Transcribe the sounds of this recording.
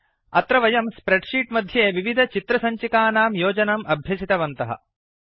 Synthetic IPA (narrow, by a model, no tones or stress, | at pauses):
ɐt̪ɾɐʋɐjɐmspɾeɖʂiːʈmɐd̪ʱjeːʋiʋid̪ʱɐt͡ʃit̪ɾɐsɐɲt͡ʃikaːnaːmjoːd͡ʒɐnɐmɐbʱjɐsit̪ɐʋɐnt̪ɐɦɐ̰